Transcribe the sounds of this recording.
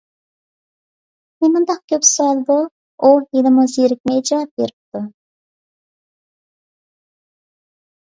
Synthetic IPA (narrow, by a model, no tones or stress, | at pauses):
menmund̪ɑq̚kʲʰøpsɑlˠd̪u | ujelɪmɨzeɾɪk̚ʲmɛjd͡ʒɑɑp̚beɾɪp̚t̪u